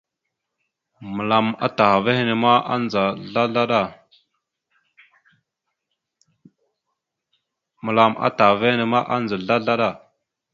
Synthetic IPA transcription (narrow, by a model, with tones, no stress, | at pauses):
mə˨la˨ma̰˦ta˨xa˨ve˦he˦ne˨ma˦a˦nd͡za˨ɮa˦ɮa˦ɗa˦˨ | mə˨la˨ma̰˦ta˨ve˦hi˦ne˨ma˦ʔa˦nd͡za˨ɮa˦ɮa˦ɗa˦˨